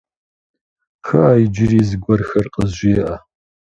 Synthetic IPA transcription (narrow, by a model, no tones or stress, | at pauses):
xɐaːjd͡ʒɪriːzɨɡʷɔrxɐrqʼəzʒʷiɛʔɐ